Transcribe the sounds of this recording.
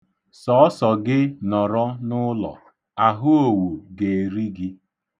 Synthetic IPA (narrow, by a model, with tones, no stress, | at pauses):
sɔ˦sɔ˨ɡɪ˦nɔ˨ɾɔ˦nʊ˦lɔ̰˨ | a˨ɦʊ˦o˨wu˨ɡe˨ɾi˦ɡɪ˦